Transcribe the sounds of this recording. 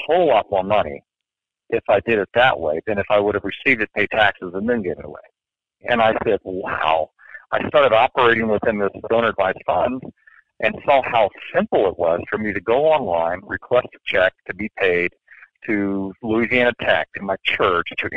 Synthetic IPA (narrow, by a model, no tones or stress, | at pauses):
hoʊlɔt̚mɔmʌnḭ | ʔɨfaɪdɨɾɨt̪̚ðəʔwḛɪðɨ̃nɨfaɪwʊɾɨvɹɨsivdɨt̚pʰeɪd̚tʰæksɨzə̃nðɨ̃nɡeɪvɨ̰ɾə̰wḛɪ | ɨ̰̃ñaɪsɛd̚waʊ | aɪstɑɹɾɨɾɑpə˞eɪɾɪ̃ŋwəð̥ɨ̃nðɪsd̥õʊ̃nə˞dvaɪz̥fʌ̃nd | ʔɨ̃nsɔhaʊsɪ̃mpl̩ˠɪt̚wʌz̥fə˞miɾɨɡoʊɑ̃nlãɪ̃nɹɨkʰw̥ɛstt͡ʃʰɛk̚tʰɨbipʰeɪd̚tʰɨluiziæ̃ñɨtʰæk̚tʰɨ̃nmaɪt͡ʃʰɜ˞t͡ʃtʰɨʔ